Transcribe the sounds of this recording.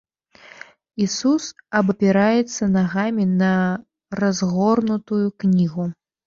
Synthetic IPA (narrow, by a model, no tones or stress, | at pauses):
isusɐbɐpʲɛɾajɛt̪sːɐnaɣamʲinɐ | razɣɔrnut̪ujuknʲiɣu